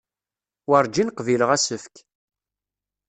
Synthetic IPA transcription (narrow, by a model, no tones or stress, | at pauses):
wəɾˤd͡ʒinqviləʁæsəfk